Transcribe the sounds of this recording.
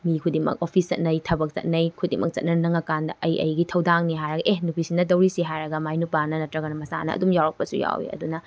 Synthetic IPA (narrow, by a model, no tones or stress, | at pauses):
mikʰudimɐ̰k̚opʰist͡ʃɐ̰t̚nɐjtʰɐbɐk̚t͡ʃɐ̰t̚nɐjkʰudimɐ̰k̚t͡ʃɐ̰t̚nɐnɐŋɐkandɐʔɐjɐ̰jɡitʰɐwdaŋniɦajɾɐɡɐʔenupʰisindɐdɐwɾisiɦajɾɐɡɐmajnupanɐnɐtɾɐɡɐnɐmɐsa̰nɐ̰ːdumjawɾɐk̚pɐsuja̰wḛɐ̰dunɐ